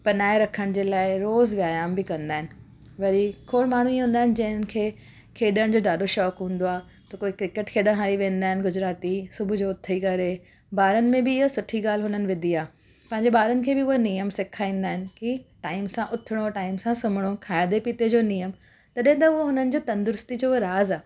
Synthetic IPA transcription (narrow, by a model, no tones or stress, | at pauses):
pɐnaːeɾɐkʰəɽ̃d͡ʑeːlaːɪɾoːzʋjaːjaːmbɪkɐ̃nd̪aːɦɪnɪ̆ | ʋɐɾikʰoːɽmaːɳ̤uiɦũːn̆d̪aːɦɪnɪ̆d͡ʑɐ̃ɦɪnɪ̆kʰeː | kʰeːɗəɽ̃d͡ʑoːɖaːɗoʃɔːkɦũːn̆d̪oaː | t̪ɐkoːikɾɪkeʈkʰeːɗəɽ̃ɦaːliʋẽːn̆d̪aːɦɪnɪ̆ɡʊd͡ʑɾaːt̪isʊbʱʊd͡ʑoːʊt̪ʰikɐɾe | baːɾənɪ̆mẽbɪːɦɐsʊʈʰiɡaːl̤ɦʊnənɪ̆ʋɪd̪ʱiaː | pɐ̃ɦɪɲd͡ʑeɓaːɾənɪ̆kʰeːbɪʊɦenijəmsekʰaːĩːn̆d̪aːɦɪnɪ̆kiʈaːɪmsãʔʊt̪ʰɪɽ̃oʈaːɪmsãsʊmɪɽ̃okʰaːjad̪epiːt̪ed͡ʑoːnijəm | t̪ɐɗɐ̃ɦɪ̃t̪ɐʊɦoɦʊnənɪ̆d͡ʑoːt̪ɐ̃nd̪ʊɾʊst̪id͡ʑoːɾaːzaː